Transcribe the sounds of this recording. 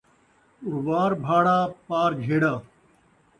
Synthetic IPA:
ʊɾʋaːɾbʱaːɽaːpaːɾd͡ʒʱeːɽaː

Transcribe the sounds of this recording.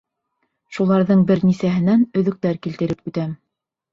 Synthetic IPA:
ʃulˠɑɾðɤɴbɘ̆ɾnisæɦɘ̆nænɵ̆ðɵ̆k̚t̪æɾkilt̪ɘ̆ɾɘp̚ʉt̪æm

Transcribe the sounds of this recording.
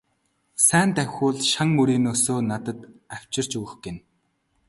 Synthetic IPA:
sæːnt̪æwʲxʲʊːɮʃaŋmɵɾiːnɵsoːnat̪ə̆t̪aw̥ʲt͡ɕɪ̆r̥t͡ɕɵɣɵ̆xɡen

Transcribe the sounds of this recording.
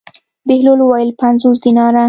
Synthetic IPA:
behlolwɑjlpanzuzd̪inɑɾa

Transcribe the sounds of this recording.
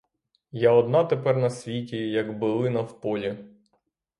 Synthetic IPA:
jaɔd̪nɑt̪epɛrnɐsʲʋʲitʲijɐɡbɪlˠɪnɐwpɔlʲi

